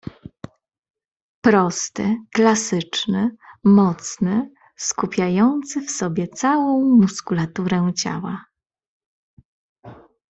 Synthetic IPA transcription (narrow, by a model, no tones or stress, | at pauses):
pɾɔst̪ɘklasɘt͡ʂnɘmɔt̪snɘ | skupʲjajɔnt̪sɘfsɔbʲjɛt̪sawɔ̃w̃muskulat̪uɾɛt͡ɕa̰wa